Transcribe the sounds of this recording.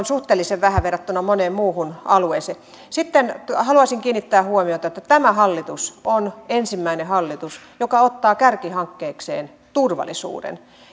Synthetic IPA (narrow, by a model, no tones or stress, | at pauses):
nsuht̪eːlːiseʋʋæhæʋerːˑɑt̪ːunɑmoneːmmuːhunɑluese | sit̪ːenhɑluɑsiŋkiːnːit̪ːæːhuomiot̪ɑet̪ːæt̪æmæhɑlːit̪usonensimːæinehɑlːit̪us | jokɑot̪ːɑːkærkihɑŋkːeːksḛːn | t̪urʋɑ̰lˑisṵːdḛn